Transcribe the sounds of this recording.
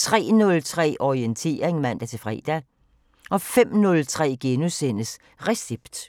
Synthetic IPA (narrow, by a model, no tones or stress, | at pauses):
t͡sʰʁɛ̰ːnɔ̽lt͡sʰʁɛ̰ːʔɒient͡sʰe̝̰ːɐʁeŋmæn̰d̥æt͡sʰe̝lfʁɛ̰ːd̥æ | ʔɒ̽fem̰nɔlt͡sʰʁɛ̰ːɡ̥enusen̰əs | ʁɛseb̥d̥